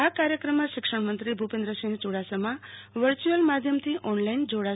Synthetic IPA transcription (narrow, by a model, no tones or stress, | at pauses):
akaɾjəkɾəmːãʃɪkʂəɳ̃mənt̪ɾibʱupẽnd̪ɾəsĩŋt͡ʃoɽasəmãʋəɾt͡ʃuəlmad̪ʱjəmt̪ʰiʔɔnlaind͡ʒoɽa